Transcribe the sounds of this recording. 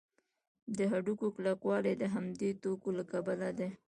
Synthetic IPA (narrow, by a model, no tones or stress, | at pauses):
d̪əɦaɖukoklaqwɑled̪əɦamd̪et̪okolakabəlad̪e